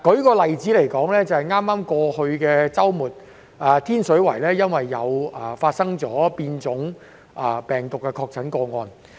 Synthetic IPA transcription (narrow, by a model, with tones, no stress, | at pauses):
kɔ˨˥kɔː˧lɐ˨jt͡siː˨˥le˨˩jkɔː˨˥ŋlɛː˥t͡sɐ˨hɐ˨jŋaː˥mːaː˥mkɔː˧hɵ˧ɥkɛː˧t͡sɐ˥wmuː˨t̚ | aː˨˩t̪ʰiː˥nsɵ˨˥ɥwɐ˨˩jlɛː˥jɐ˥nwɐ˨jːɐ˨˧wɐ˨˩faː˧t̚sɐ˥ŋt͡sɔː˨˥piː˧nt͡sʊ˨˥ŋ | ʔɐ˨˩pɛː˨˩ŋt̪ʊ˨kːɛ˧kʰɔː˧k̚t͡sʰɐ˨˥nkɔː˧ŋɔː˧n